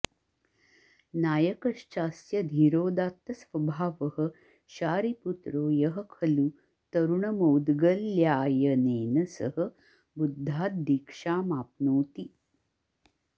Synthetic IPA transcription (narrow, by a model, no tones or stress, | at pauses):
naːjɐkɐʂt͡ʃaːsjɐd̪ʱiɾoːd̪aːt̪ːɐsʋɐbʱaːʋɐɦɐ̆ | ʃaːɾiput̪ɾoːjɐɦɐkʰɐlu | t̪ɐɾuɳɐmɐwd̪ɡɐlːjaːjɐneːnɐsɐɦɐ | bud̪ʱːaːt̪̚d̪ikʂaːmaːpnoːt̪i